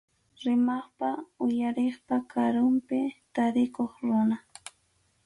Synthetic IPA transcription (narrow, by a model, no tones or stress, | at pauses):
ɾɪmaχpaʊjaɾeχpakʰaɾʊmpɪt̪aɾɪkoχɾʊna